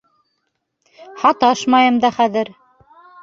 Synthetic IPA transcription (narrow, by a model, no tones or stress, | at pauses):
hɑt̪ɑʃmɑjɤ̆md̪ɑχæðɘɾ